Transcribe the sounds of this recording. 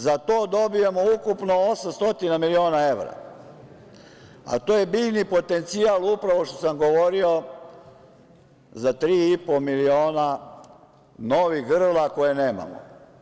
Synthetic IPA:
zat̪o̞ːd̪o̞bijemoukupno̞osamst̪o̞t̪inamilio̞ːnae̞ʋɾa̰ | a̰t̪oːje̞biʎnipo̞t̪e̞nt̪sialˠupɾaʋo̞ʃt̪osamɡo̞ʋo̞ɾio̞ | zat̪ɾiːipo̞milio̞ːna | no̞ʋixɡr̩lakojene̞ːma̰mo̰

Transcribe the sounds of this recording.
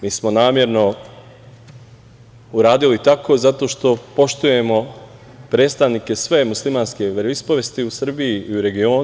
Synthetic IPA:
miːsmo̞naːmje̞ɾno̞ | uɾaːd̪ilit̪akʰo̞zat̪o̞ːʃt̪o̞po̞ʃt̪uje̞mo̞ | pɾeːt̪st̪aʋnike̞sʋe̞muslimaːnske̞ɾispoʋest̪iusr̩biiiuɾe̞ɡio̞ː

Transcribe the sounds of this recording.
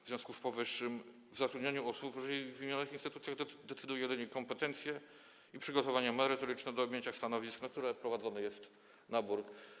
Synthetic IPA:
vzʲjɔ̃skuspɔvɘʂːɘm | vzat̪ɾud̪ɲaɲuusupʐɛivimjanɘxinst̪ɘt̪ut̪sjaɣd̪ɛt̪sɘd̪ujɛjɛd̪ɘɲɛkɔmpɛt̪ɛnt̪sʲjɛ | ipʂɘɡɔt̪ɔvaɲɛmɛɾɘt̪ɔɾɘt͡ʂnɛd̪ɔːbʲjeɲt͡ɕast̪anɔvʲisknak̚t̪uɾɛpɾɔvad̪zɔnɛjɛst̪ | nabuɾ

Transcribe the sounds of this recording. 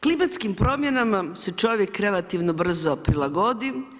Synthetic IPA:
klimat̪skimpɾo̞ːmjenamaset͡ʃo̞ʋjekɾe̞lˠat̪iʋnobr̩zopɾilˠaɡod̪i

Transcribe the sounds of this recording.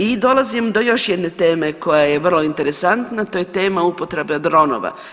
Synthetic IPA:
id̪o̞lˠazimd̪o̞jo̞ʃjɛd̪ne̞t̪eːme̞ko̞jajeʋr̩lˠo̞int̪e̞ɾe̞sant̪nat̪ojet̪e̞ːmaupot̪ɾe̞bad̪ɾo̞no̰ʋa̰

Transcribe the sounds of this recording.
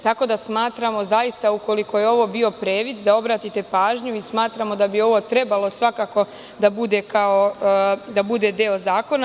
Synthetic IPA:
t̪ako̞d̪asmaːt̪ɾamo̞zajist̪auko̞liko̞je̞o̞ʋo̞biːo̞pɾeːʋid̪d̪ao̞bɾaːt̪it̪e̞paːʒɲuismaːt̪ɾamo̞d̪abio̞ʋo̞t̪ɾe̞balo̞sʋakako̞ | d̪abud̪e̞kao̞d̪abud̪e̞d̪eozaːko̞na

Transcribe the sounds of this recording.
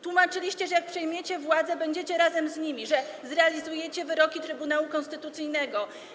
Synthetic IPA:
t̪wumat͡ʂɘlʲiɕt͡ɕɛʐɛjak̚pʂɛjmʲjet͡ɕɛvwad̪zɛbɛɲd͡ʑet͡ɕɛɾazɛmzɲimʲiʐɛzɾɛalʲizujɛt͡ɕɛvɘɾɔkʲit̪ɾɘbunawukɔnst̪ɘt̪ut̪sɘjnɛɡɔ

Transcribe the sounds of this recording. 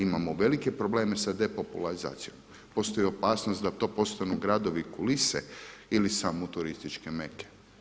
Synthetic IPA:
imamoʋe̞like̞pɾo̞ble̞ːme̞sad̪e̞po̞pulaɾiza̰ːt̪sijo̞m | po̞st̪o̞jio̞paːsnost̪d̪at̪o̞ːpo̞st̪anuɡɾad̪o̞ʋikulisḛilisamut̪uɾist̪it͡ʃke̞me̞ke̥

